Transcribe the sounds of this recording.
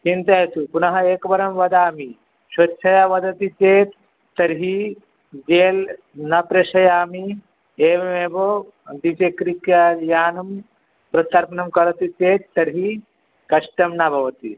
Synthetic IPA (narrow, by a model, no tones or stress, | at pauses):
t͡ʃint̪ɐjɐt̪upunɐɦɐeːkɐʋɐɾɐmʋɐd̪aːmi | ʃɐtːʃʰɐjaʋɐd̪ɐt̪it̪eːt̪ | t̪ːɐɾɦi | d͡ʒeːl | nɐpɾeʃɐjaːmi | eːʋemeːbo | d̪it͡ʃekɾikjajaːnɐm | pɾɐt̪ɐɾpɐnɐmkɐɾɐt̪it̪eːt̪t̪ɐɾɦi | kɐʃʈɐmnabʱɐʋɐt̪ḭ